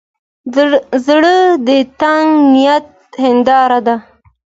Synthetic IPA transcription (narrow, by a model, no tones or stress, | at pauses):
zɽəd̪ət̪aŋɡnijat̪̚hɪnd̪ɑɾad̪a